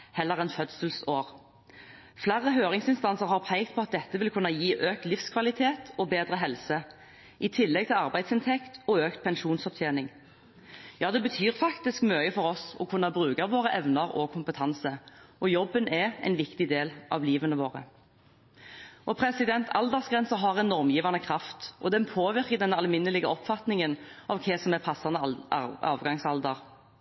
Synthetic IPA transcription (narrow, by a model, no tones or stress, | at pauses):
hɛlːəʁɛnfœd̪səlsoːʁ | flæʁəɦøːʁɪŋsɪnst̪ɑnsəʁhɑʁpʰæɪkt̪pʰɔɑt̪̚d̪ɛt̪ːəʋɪlkʰʉnːɑjiːʔøːk̚t̪lɪfskʰʋɑlɪt̪ʰeːt̪ʰɔbeːd̪ʁəɦɛlsə | ʔɪt̪ʰɪlːɛɡ̚t̪ɪlɑʁbæɪd̪sɪnt̪ʰɛkt̪ɔøːkt̪̚pʰɛnʃuːnsɔp̚t̪ʰjeːnɪŋ | jɑːd̪ɛbət̪ʰyːʁfɑkt̪ɪskmœʏəfɔɾɔsɔ̰kʰʊnːɑbʁʉːkɑʋoːʁəʔɛʋnɑʁɔ̰kʰʊmpət̪ʰɑnsəʔɔjɔbːənɛæ̰ɪnʋɪkt̪ɪd̪eːlʔɑ̰ʋliːʋənəʋoːʁə̰ | ʔɔpʰɾɛsɪd̪ɛnt̪ʰɑld̪əʁsɡʁɛnsəɦɑʁɛnnɔʁmjiːʋɑnəkʰʁɑft̪ʔɔd̪ɛnpʰoːʋɪʁkəd̪ɛnːəɑlmɪnːəlɪɡəɔpfɑt̪nɪŋənʔɑʋkʰɛsɔmɛpʰɑsːɑnɑ̰ːʋɡɑŋsɑld̪əʁ